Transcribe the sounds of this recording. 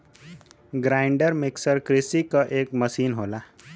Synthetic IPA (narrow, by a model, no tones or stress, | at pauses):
ɡɾajɳɖəɾmiksəɾkɾisikəʔek̚məsiːnɦola